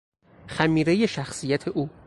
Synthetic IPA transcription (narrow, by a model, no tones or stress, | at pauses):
xæmiːɾe̞je̞ʃæxsijæt̪ʰe̞ʔuː